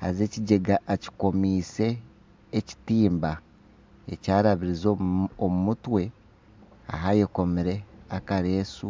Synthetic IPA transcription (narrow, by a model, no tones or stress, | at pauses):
ha̰ze̞ːciɟe̞ɡaʔːci̥ko̞miːse̞ː | ci̥tiːmba | e̞̰caːɾaβiɾizoomumutwe̞ | a̰ɦajeko̞miɾe̞akaɾe̞ːsu